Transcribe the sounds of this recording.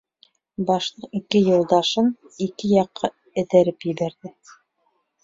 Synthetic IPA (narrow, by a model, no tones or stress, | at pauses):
bɑʃlˠɤqikɘjŭlˠd̪ɑʃɤn | ikɘjɑqʰːɑ | ɘ̆ðæɾɘpjɘ̆βæɾðɘ